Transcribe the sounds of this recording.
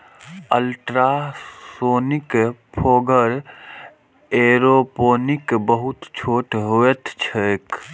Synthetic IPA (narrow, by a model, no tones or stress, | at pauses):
ə̰lʈɾassoːnikpʰoːɡəɾ | eɾopoːnikbəɦut̪t͡ʃʰoːʈɦoet̪t͡ʃʰək